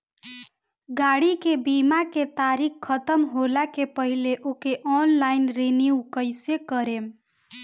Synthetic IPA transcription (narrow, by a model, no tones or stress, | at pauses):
ɡaɽikebimaket̪aɾikkʰːət̪əmɦolakepəɦileʔokeʔɔnlaɪnɾeniukəɪsekəɾem